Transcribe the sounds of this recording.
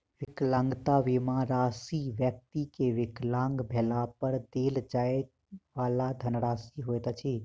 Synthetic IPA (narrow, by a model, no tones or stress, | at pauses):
ʋɪklãːŋɡt̪aʋimãɾaːsiʋjək̚t̪ikeʋɪklãːŋɡbʱeːlapəɾd̪eːld͡ʒae | ʋaːlad̪ʱənɾaːsiɦojt̪t͡ʃʰi